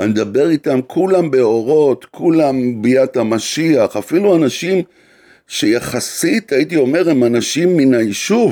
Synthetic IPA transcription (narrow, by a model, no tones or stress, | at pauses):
and̪abe̞ʁitamkʰulambe̞o̞ʁo̞tkʰulambijatamaʃiaχafiluanaʃim | ʃe̞jaχasitait̬io̞me̞ʁemanaʃimːinajiʃuv